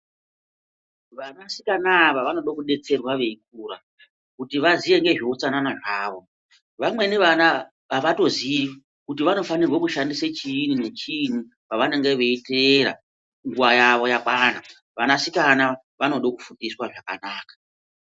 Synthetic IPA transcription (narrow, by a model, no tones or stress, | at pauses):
ʋanasi̥kanaʋaʋano̞ɗokuɗe̞t͡se̞rwaʋe̞ik̚uːɾa | kutiʋaziʋe̞ŋɡe̞ʐeut͡sananaʐaːʋo̞ | ʋamwe̞neʋana | ʋaʋato̞zi | kutiʋano̞fanirwakuʃandiset͡ʃiːnune̞t͡ʃin̤u | paʋaneŋɡe̞ʋe̞iteɾa̰ | ŋɡuʋajaʋo̞jakwaːna | ʋanasikana | ʋano̞ɗokufudiswaʐakanaːkḁ